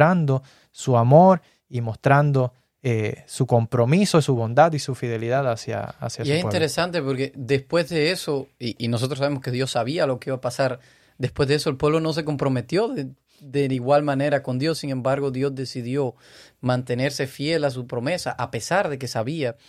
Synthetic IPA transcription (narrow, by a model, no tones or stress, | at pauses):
ɾand̪o | suamoɾ | imo̞st̪ɾand̪o̞ | esuko̞mpɾo̞misosuβõnd̪ad̪isufiðe̞liðaðasja̰a̰sjaiesint̪eɾesant̪e̞po̞ɾke̞d̪e̞spwe̞zðe̞eso̞iʔinos̬o̞t̪ɾos̬aβemo̞ske̞ðjo̞sːaβialo̞keiβapasaɾ | d̪e̞spwezðe̞eso̞elpwe̞βlo̞no̞s̬e̞k̬o̞mpɾo̞me̞t̪jo̞ðe | d̪e̞niɣwalmãne̞ɾako̞nd̪jo̞sːiŋẽ̞mbaɾɣo̞ðjo̞zd̪e̞siðjo̞ | mãnt̪e̞ne̞ɾse̞fje̞las̬upɾo̞me̞saʔape̞saɾðe̞ke̞saβia